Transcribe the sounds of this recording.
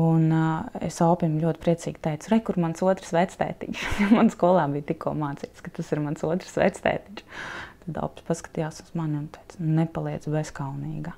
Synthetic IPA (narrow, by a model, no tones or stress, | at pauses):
unḛsaʊpʲimlʲuɔt̪ʲpɾiɛt̪sḭːɡ̥ʲt̪ɛjt̪sɾɛjkuɾmansuɔt̪ɾsʋɛt̪st̪ɛ̰ːt̪ḭʃjamanskuɔlˠaːbiːjt̪ikːuɔmaːt̪siːt̪skat̪asiɾmansuɔt̪ɾsʋɛ̰ːt̪st̪ɛ̰ːt̪it͡ʃt̪ad̪a̰ʊpʲspaskḁt̪ijaːsuz̥manmt̪ɛjt̪snnepalˠiɛd̪zbɛskawniːɡa